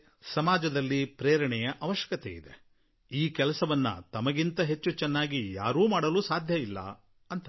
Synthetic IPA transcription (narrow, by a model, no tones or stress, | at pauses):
sɐmaːd͡ʒɐd̪ɐlːipɾeːɾɐɳɛjɐʔɐʋɐʃjɐ̥kɐt̪ɛ̰ḭd̪e̞̰ | iːkɛlɐsɐʋɐnːɐ̰t̪ɐmɐɡint̪ɐɦe̞t͡ʃːut͡ʃɛnːaːɡija̰ːɾuːmaːɽɐluːsaːd̪ʱjɐilːɐ̰ | ɐnt̪ɐ